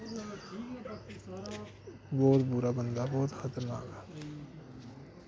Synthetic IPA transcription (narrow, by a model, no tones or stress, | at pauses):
boːɾbuɾabə̃nd̪abɔɦʊt̪xat̪əɾmã̰ːɡa